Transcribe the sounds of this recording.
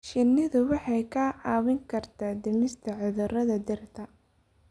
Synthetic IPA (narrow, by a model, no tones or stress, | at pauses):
ʃɪnːɪðʊwɑħɑjkʰɐːʕɑːwɪŋkʰɐrt̪ʰaːd̪ɪmɪst̪ʰɐʕɪðɐrɐðɐd̪ɪrt̪ʰɐ